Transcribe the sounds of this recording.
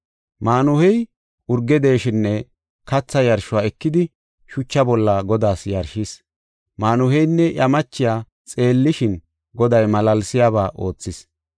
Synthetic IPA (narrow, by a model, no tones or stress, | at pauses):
maːnʊhɛj | ʊɾɡɛd̪e̞ːʃɪnːɛ | kɐt͡sːɐjɐɾʃʊwaːɛkːɪd̪ɪ | ʃʊt͡ʃːɐbɔlːaɡɔd̪aːsjɐɾʃis | maːnʊhɛjnːɛʔɐmɐt͡ʃːɪjaː | t͡sʼe̞ːlːɪʃɪn | ɡɔd̪ɐjmɐlɐlsɪjaːβaːʔo̞̰ːt͡sːɪs